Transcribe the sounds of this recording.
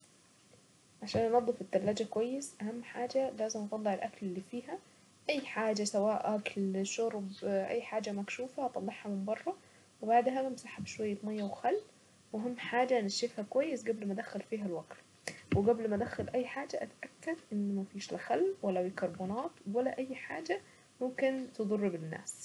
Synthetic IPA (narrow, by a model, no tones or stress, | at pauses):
ʕaʃæːnnɑd̪ˤːfɪt̪ːælːæːd͡ʒækowæjːesʔæhæmːħaːd͡ʒælæːzɪmʔɑt̪ˤɑlˤːɑʕelʔæklelːiːfiːɦæ | ʔæjːħaːd͡ʒæsæwæːʔʔæklʃoɾˤbʔæ̰jːħaːd͡ʒæmækʃuːfæt̪ˤɑlˤːeħhɑmɪmbɑrˤːɑ | webaʕd̪ɦæmsaħæbʃwæjːæt̪mæjːæwxælː | mʊɦɪmːħaːd͡ʒanɪʃɪfhakwajːɪsɡablmad̪axalfiːɦalwaɡt̪ | wɪɡablmad̪axalʔajːħaːd͡ʒaʔat̪ʔakːad̪ʔɪnːmæfiːʃlaxalːwalːawikɑɾˤbʊnɑːt̪ˤwalːaʔajːħaːd͡ʒa | mʊmkɪnt̪ɨd̪ˤɑrˤːɪbɪnːa̰ːs